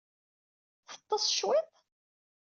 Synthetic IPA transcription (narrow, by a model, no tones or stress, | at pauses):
θə̥t̪ˤːɑsˤʃwɪt̪ˤ